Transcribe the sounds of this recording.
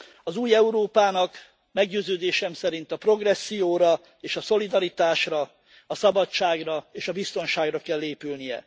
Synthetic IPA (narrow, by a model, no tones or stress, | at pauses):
ɒzuːjɛuɾoːpaːnɒk | mɛɡɟøːzøːd̪eːʃɛmsɛɾint̪ɒpro̞ɡrɛsːijoːɾɒ | eːʃɒso̞lid̪ɒɾit̪aːʃrɒ | ɒsɒbɒt͡ʃaːɡrɒeːʃɒbist̪o̞nʃaːɡrɒkɛlːeːpylnijɛ̰